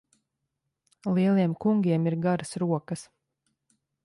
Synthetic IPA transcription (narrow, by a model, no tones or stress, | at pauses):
lˠiɛlˠiɛmkuŋɡʲiɛmiɾɡaɾɐsɾuɔkɐs